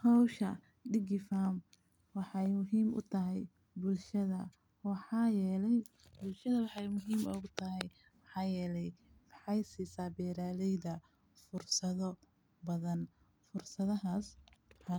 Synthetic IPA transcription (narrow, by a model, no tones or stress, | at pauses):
hɔwʃɐ | ɖɪɡɪfaːm | wɑħɑjmʊɦiːmʊ̰t̪ʰɐɦɛj | bʊlʃɐðɐ̰ | wɑħɑːjɛːlɛj | bʊlʃɐðɐwɑħɑjmʊɦiːmɔɣʊt̪ʰɐɦɛj | mɑħɑːjɛːlɛjwɑħɑjsiːsaːbɛːɾaːlɛjðɐ | fʊrsɐðɔ | bɐðɐn | fʊrsɐðɐɦaːswħɑ